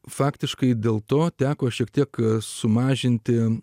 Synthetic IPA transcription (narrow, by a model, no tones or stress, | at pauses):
fɑːkt̪ʲɪʃkɐɪd̪ʲeːlˠt̪oːt̪ʲæːkoːʃʲiɛkt̪ʲiɛksʊmɑːʒʲɪnʲt̪ʲɪ